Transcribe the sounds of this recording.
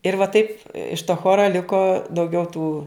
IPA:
ɪr ʋɐ ˈtɐɪp ɪʃ toː ˈxoːrɐ ˈlʲɪkoː dɐʊˈɡʲɛʊ tuː

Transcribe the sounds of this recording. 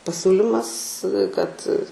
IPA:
pɐˈsʲuːlʲɪmɐs kɐt

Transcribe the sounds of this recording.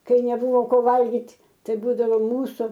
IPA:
ˈkɐɪ nʲɛˈbʊʋoː ˈkoː ˈʋɐlʲɡʲɪtʲ ˈtɐɪ ˈbuːdɐʋoː ˈmuːsuː

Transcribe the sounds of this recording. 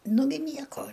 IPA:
ˈnʊɡʲɪ ˈnʲiɛkoː

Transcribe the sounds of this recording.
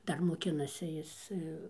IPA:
ˈdɐr moːˈkʲɪnɐsʲɪ ˈjɪs

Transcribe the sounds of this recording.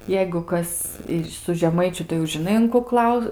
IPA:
ˈjɛɪɡʊ ˈkɐs sʊ ʒʲɛˈmɐɪt͡ʃʲʊ tɐɪ jɛʊ ʒʲɪˈnɐɪ ʊn kʊ ˈklˠɐʊ

